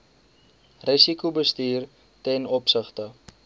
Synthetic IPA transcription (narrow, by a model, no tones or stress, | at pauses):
risikubəstiːr | tɛnɔpsəχtə